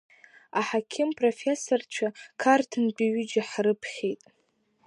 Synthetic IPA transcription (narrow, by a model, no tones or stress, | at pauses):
aħakʲʰɪmpʼro̞fʲe̞sort͡ʃʷʰakʰartʰɨnbʲʼiɥʏd͡ʒaħrɨpʰχʲejtʼ